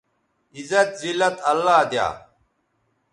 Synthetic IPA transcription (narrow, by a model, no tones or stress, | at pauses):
izɐt̪zilːɐt̪ɐlːaːd̪ja̰ː